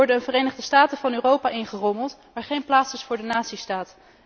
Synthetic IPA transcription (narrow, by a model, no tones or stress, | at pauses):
ɔɹdəənvərejnəχdəstaːtəvɑnyːrowpaːʔɪnχərɔməlˠt | ʋaːɹχejnplaːtsɪsfʊːɹdənaːtsistaːt